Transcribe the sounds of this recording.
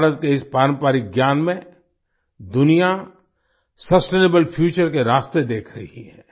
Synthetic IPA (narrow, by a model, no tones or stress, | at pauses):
ɾət̪̚keɪspaːɾə̃mpaːɾik̚ɡjaːnmẽ | d̪ʊnija | sɐsʈeːneːbəlpʰjuːt͡ʃəɾkeɾaːst̪ed̪eːkʰɾɐɦhiɦɛ̃ː